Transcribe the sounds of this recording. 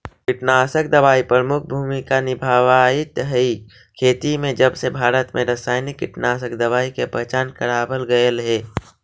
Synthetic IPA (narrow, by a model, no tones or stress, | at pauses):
kɪʈnaːsək̚d̪ɐʋaːipɾɾəmʊk̚ʰbʱuːmikanɪbʱaːʋaɪt̪ɦəi | kʰeːt̪imẽd͡ʒɐbsebʱaːɾət̪mẽɾəsaːɪnɪkːɪʈnaːs̬əkd̪ɐʋaːikepɛɦt͡ʃaːnkɐɾaːbəlɡəəlɦɛː